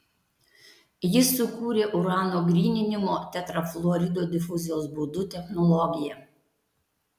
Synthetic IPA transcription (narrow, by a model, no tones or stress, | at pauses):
jɪsːʊkuːɾʲeːʔʊɾɑːnoːɡɾʲiːnʲɪnʲɪmoːt̪ʲɛt̪ɾɐflˠɔɾʲɪd̪oːd̪ʲɪfʊzʲɪjoːsbʊd̪ʊt̪ʲɛxnɔlˠɔɡʲɪjɛ